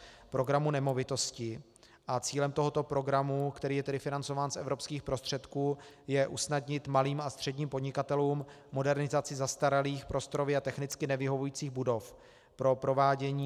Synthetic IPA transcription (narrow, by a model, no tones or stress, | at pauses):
pɾo̞ɡɾamunɛmo̞vɪt̪o̞scɪ | ʔat͡siːlɛmt̪o̞ɦo̞t̪o̞pɾo̞ɡɾamukt̪ɛɾiːjɛt̪ɛdɪfɪnant͡so̞vaːnsʔɛvɾo̞pskiːxpɾo̞st̪r̝̥ɛt̪kuːjɛʔusnadɲɪt̪maliːmast̪r̝̥ɛdɲiːmpodɲɪkat̪ɛluːm | mo̞dɛɾnɪzat͡sɪzast̪aɾaliːxpɾo̞st̪oɾovɪat̪ɛxnɪt͡skɪnɛvɪɦo̞vujiːt͡siːɣbudo̞f | pɾo̞pɾo̞vaːɟɛɲiː